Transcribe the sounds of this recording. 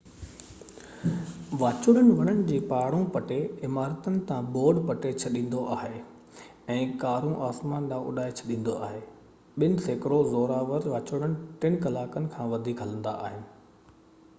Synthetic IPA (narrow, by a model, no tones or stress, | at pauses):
ʋaːt͡ɕʊɽ̃ənɪ̆ʋɐɽəñɪ̆d͡ʑeːpaːɽõpɐʈeɪmaːɾət̪ənɪ̆t̪ãboːɖpɐʈet͡ɕʰɐɗĩːn̆d̪oʔaːɦe | ɛ̃ːkaːɾũʔaːsmaːnd̪ãʔʊ̰ɗaːet͡ɕʰɐɗĩːn̆d̪oaːɦeː | ɓɪnɪ̆seːkɾozoːɾaːʋəɾʋaːt͡ɕʊɽ̃ənɪ̆ʈɪnkɐlaːkənɪ̆kʰãːʋɐd̪ʱiːkɦɐlə̃nd̪a̰ʔaːɦɪnɪ̆